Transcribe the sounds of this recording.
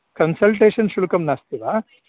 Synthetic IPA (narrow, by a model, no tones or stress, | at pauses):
kɐnsɐlʈeːʂɐnʃulukɐmnaːst̪iʋa